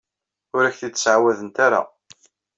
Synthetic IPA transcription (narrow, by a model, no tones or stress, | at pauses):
ʊɾæçθit͡s̪ːsʕawæðənt̪aɾa̰